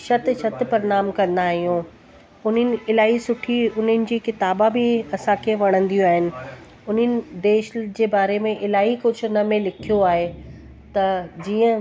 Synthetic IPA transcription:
ʃɐt̪ɪʃɐt̪ɪpɐɾɪnaːmkɐ̃nd̪aːɦijũː | ʊn̤ənɪ̆ɪlaːɦisʊʈʰiʊn̤ənɪ̆d͡ʑiːkɪt̪aːbãbɪɐsãkʰeʋɐɽ̃ə̃nd̪ijũaːɦɪnɪ̆ | ʊn̤ənɪ̆d̪eːʃd͡ʑeːbaːɾemẽʔɪlaːɦikʊd͡ʑʱʊ̆nɐmẽlɪkʰijoaːɦe | t̪ɐd͡ʑiːə̃

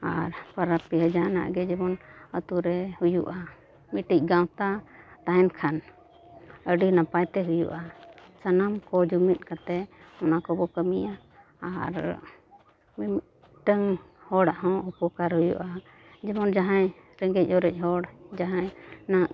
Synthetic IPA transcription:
a̰ɾpaɾapiɦəd͡ʒana̰ʔɡɛd͡ʒɛbɔnət̪uɾɛhujṵʔa | miʈic̚ˀɡãwt̪at̪aɦɛnkʰan | əɖinapajt̪ɛɦujṵʔasanamkɔd͡ʒumit̪̚ˀkat̪ɛɔnakɔbɔkəmija | aɾ | mɛm | ʈəŋ | hɔɽaʔɦɔ̃upɔkaɾhujṵʔa | d͡ʒɛbɔnd͡ʒaɦajɾɛŋɡɛc̚ˀɔɾɛc̚ˀɦɔɽd͡ʒaɦãjnaʔ

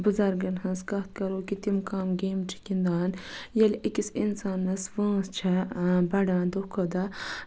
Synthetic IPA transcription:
bɨzɐɾɡɐnɦɐ̃nskɐht̪̚kɐɾoːkit̪imkaːmɡeːmt͡ʃʰi̥kind̪aːnjɐlʔikisinsaːnːɐsʋə̃ːst͡ʃʰɐbɐɖãːnd̪okʰod̪a

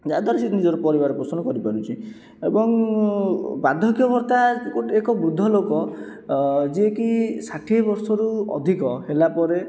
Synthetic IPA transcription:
d͡ʒad̪aɾɔsinid͡ʒɔɾupɔɾiβaɾɔpɾɔsɔnɔkɔɾipaɾut͡ʃʰi | ebɔŋ | bad̪ʱɔɡjɔbʱɔɾt̪akuʈekɔbɾud̪ʱːɔlokɔ | d͡ʒiekisaʈʰibɔɾsɔɾuɔ̰d̪ʱikɔɦelapɔɾe

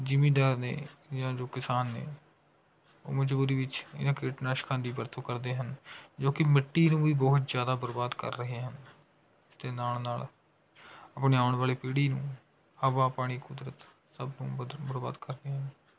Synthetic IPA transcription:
d͡ʒɪmĩːɖaːɾnḛːd͡ʒãːd͡ʒoːkɪsaːnːḛː | o̰ːməd͡ʒbuːɾiːʋɪt͡ʃɪ̰nãːkeːʈnaːʃkʰãnd̪iːbəɾt̪ʰuːkəɾd̪eːɦənd͡ʒoːkɪmɪʈːiːnũːʋiːbɔɦʊt̪d͡ʒjaːd̪aːbəɾbaːd̪kə̰ɾːəɦeːɦən | ɪsd̪eːnaːlnaːl | aːpɳeːaːʊɳʋaːleːpiːɽiːnũː | həʋaːpaːɽ̃iːkʊd̪ɾət̪ | səbnũːbəɾba̰ːd̪kəɾd̪eːɦən

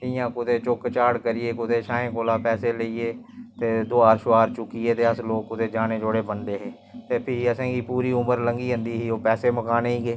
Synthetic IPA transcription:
ɪjãːkʊt̪eːt͡ʃʊkt͡ʃaːɽkəɾɪeːkʊt̪eːʃaːẽːkoːlaːpɛːseːləiːeːt̪eːd̪ʊaːɾʃʊaːɾt͡ʃʊkːiːeːt̪eːəsloːkːʊt̪eːd͡ʒaːneːd͡ʒoːɽeːbənd̪eːɦeː | t̪eːpʰɪɾəsãːkiːpuːɾiːʊməɾləŋɡiːɦə̃nd̪iːɦiːoːpɛːseːməkaːneːiːɡeː

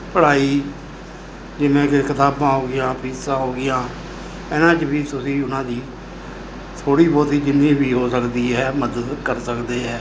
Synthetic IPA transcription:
pəɽaːiː | d͡ʒɪmẽːkɪkʰət̪aːbãːɦoːɡɪjãːpiːsãːɦoːɡɪjãː | ɛːnãːt͡ʃbiːt̪ʊsĩːʊnãːd̪iː | t̪ʰoːɽiːbɔːt̪iːd͡ʒɪnːĩːbiːɦoːsəkd̪iːɦɛːməd̪əd̪kəɾsəkd̪eːɦɛː

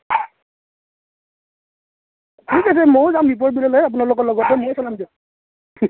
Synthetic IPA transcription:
tʰikas̬ɛmɔjzambip̬ɔɹ̚bilɔlɔjap̬ʊnalʊkɔlɔɡɔtɛmɔjsɔnamdɔ

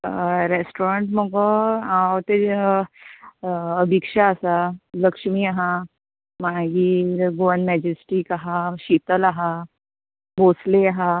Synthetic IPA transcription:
ɾesʈoɾaɳʈməɡɔaʋt̪e | əbʱikʂaəsaləkʂmiaɦã | maɡiːɾɡoʋənmɛd͡ʑesʈikaɦaɕit̪əlaɦa | bosleaɦa

